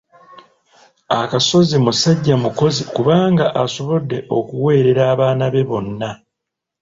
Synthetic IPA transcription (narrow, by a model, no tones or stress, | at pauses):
akaso̞zimusaɟːamuko̞zikuβaːŋɡaʔaso̞βo̞dːe̞ʔo̞̰kuwe̞ːɾe̞ɾaːβaːnaβe̞βo̞nːa